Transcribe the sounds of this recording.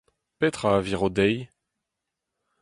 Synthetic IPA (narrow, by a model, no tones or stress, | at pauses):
pɛt̪χaːviʁod̪ɛj